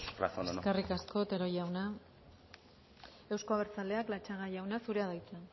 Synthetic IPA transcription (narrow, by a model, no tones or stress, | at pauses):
ra̰seskerikasko̞t̪e̞ɾo̞jawna | e̞wsko̞aβeɾt͡sale̞aklat͡ʃaɣajawnasuɾe̞aðajt͡se